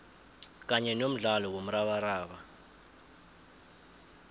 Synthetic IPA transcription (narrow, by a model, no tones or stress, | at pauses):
k̬ʼaɲɛnom̩ɮalɔwom̩ɾaɓaɾaːɓa